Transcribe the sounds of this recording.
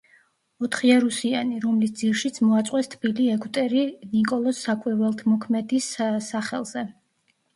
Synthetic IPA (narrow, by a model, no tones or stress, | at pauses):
ɔt̪ʰχiɛɾusianiɾɔmlisd̪ziɾʃit̪sʰmɔat̪sʼqʼwɛst̪ʰbiliɛkʼt̪ʼɛɾinikʼɔlˠɔsːakʼwɛvɛlˠt̪ʰmɔkʰmɛd̪issaχɛlˠz̥ɛ